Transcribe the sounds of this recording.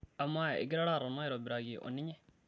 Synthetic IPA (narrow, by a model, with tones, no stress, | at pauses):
amːa˦ḭ˨ɡɾaɽa˦ɾono˦jɾobɪɾa˨ɡiʔo̰˨nːi˦ɲɛ˦